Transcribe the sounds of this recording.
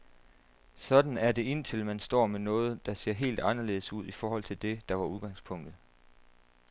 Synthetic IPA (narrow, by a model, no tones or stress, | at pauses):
sɒ̽d̥n̩æɐd̥e̝e̝n̰t͡sʰe̝lmænsd̥ɒ̰ːmenɔ̽ːð̞̩ˠd̥ɑ̈se̝̰ɐ̰ɦe̝̰ːld̥ɑ̈nɐle̝ːð̩ˠsuð̰ˠifɒːhɒ̽l̰t͡sʰe̝ld̥e̝d̥ɑ̈ʋɑ̈uð̞ˠɡ̥ɑ̈ŋspʰɔ̽ŋ̰d̥ð̩ˠ